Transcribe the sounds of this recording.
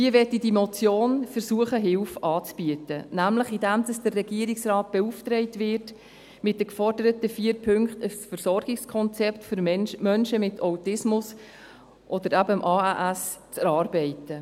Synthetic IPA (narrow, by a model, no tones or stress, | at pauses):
hiəʋɛtidimɔt͡sjoːnfəɾsuəχəɦɪlfɑːt͡sb̥yətənæmləχidæmd̥ɑsd̥ərːɛɡiəɾɪksrɑːt̚b̥ɛuftrɛɪtʋɪrt | mɪt̚dəkfɔrdəɾətəfiːəɾpʰɵŋkχtəsfəɾsɔrɡ̥ɪkskʰɔnt͡sɛptføɾmmœnʃəmɪtʰawtɪsmʊs | ʔɔd̪əɾæbəmʔɑːæʔæst͡sɛɾɑːrbɛɪtə